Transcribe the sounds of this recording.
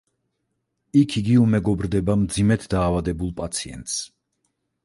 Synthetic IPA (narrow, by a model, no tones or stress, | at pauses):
ikʰiɡiumɛɡɔbɾd̪ɛbamd̪zimɛt̪ʰd̪aːvad̪ɛbulˠpʼat̪sʰiɛ̰nt̪ʼs